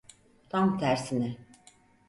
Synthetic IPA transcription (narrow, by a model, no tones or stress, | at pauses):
t̪ʰamt̪ʰæɾsinɛ